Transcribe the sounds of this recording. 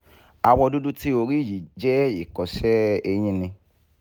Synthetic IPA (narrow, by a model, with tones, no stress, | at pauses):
a˧wɔ˧do˦du˦ti˦o˧ɾi˦˨ji˨d͡ʒɛ˦i˨kɔ˨sɛ˦e˧ɲ̃ĩ˧˦nĩ˧